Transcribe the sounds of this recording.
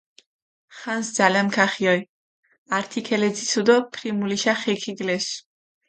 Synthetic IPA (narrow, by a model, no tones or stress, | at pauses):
χansd̪zalɛmkʰaχiɔj | aɾt̪ʰikʰɛlɛd̪zisʰud̪ɔpʰɾimuliʃaχɛkʰiɡlɛs